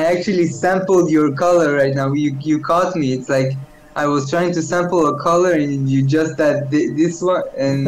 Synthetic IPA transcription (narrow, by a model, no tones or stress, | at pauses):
ajæk̚t͡ʃʉl̩ˠisæ̃mpl̩ˠdjə˞kʰʌlˠə˞ɹaɪtnaʊjɨjɨkʰɔtmiɪtslaɪk | ʔaɪwʌz̥tʰɹ̥aɪɪ̃ŋtɨsæ̃mpl̩ˠəkʰʌlˠə˞ɨ̃njɨd͡ʒʌst̪̚ðæt̚ðɪðɪswʌ̃ɨ̃n